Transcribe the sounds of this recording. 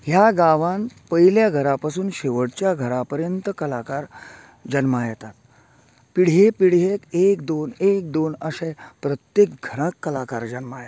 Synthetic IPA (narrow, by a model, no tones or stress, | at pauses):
ɦjaɡaʋãnpəjljaɡʱəɾapasuːnɕeʋəɽt͡ɕjaɡʱəɾapəɾjənt̪əkəlakaɾ | d͡ʑənmajɛt̪at̪ | piɽ̤jepiɽ̤jekekd̪onek̚d̪onəsẽpɾət̪jekɡʱəɾãkːəlakaɾd͡ʑənmajet̪